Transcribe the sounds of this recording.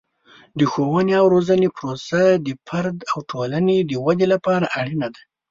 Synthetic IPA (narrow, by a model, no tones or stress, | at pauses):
d̪əxowaneawɾozanepɾosad̪əpʰaɾd̪awʈʰolaned̪əwad̪elapɑɾaʔaɽinad̪a